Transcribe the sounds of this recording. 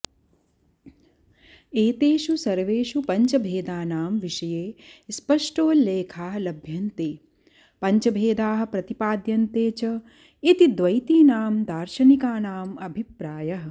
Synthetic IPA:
eːt̪eːʃusɐɾʋeːʃupɐɲt͡ʃɐbʱeːd̪aːnaːmʋiʃɐjeːspɐʂʈoːleːkʰaːɦɐlɐbʱjɐnt̪eː | pɐɲt͡ʃɐbʱeːd̪aːɦɐ̆pɾɐt̪ipaːd̪jɐnt̪eːt͡ʃɐ | it̪id̪ʋɐjt̪iːnaːmd̪aːɾʃɐnikaːnaːmɐbʱipɾaːjɐɦɐ̆

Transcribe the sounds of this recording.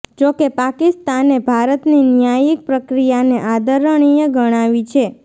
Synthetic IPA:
d͡ʒokepakist̪anebʱaɾət̪ninjajik̚pɾəkɾijaneʔad̪əɾəɽ̃ijeɡəɽ̃aʋit͡ʃʰe

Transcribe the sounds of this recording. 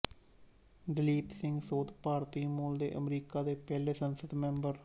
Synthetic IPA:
d̪ɪliːpsɪ̃ŋɡsoːt̪ʰpaːɾt̪iːmuːld̪ḛːʔə̰mɾiːkaːd̪eːpɛːleːsənsəd̪mɛ̃mbəɾ

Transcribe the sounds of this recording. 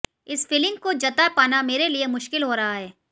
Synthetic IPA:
ɪsfɪlɪ̃ŋɡkod͡ʒɐt̪apaːnameːɾeliemʊʃkɪlɦoːɾɐɦaɦɛː

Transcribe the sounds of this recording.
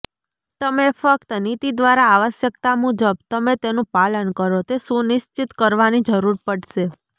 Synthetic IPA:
t̪əmefək̚t̪ənit̪id̪ʋaɾaːʋəʃjəkt̪amud͡ʒəb̚t̪əmet̪enũpalənkəɾot̪esunɪʃt͡ʃit̪kəɾʋanid͡ʒəɾuɾpəɽʃe

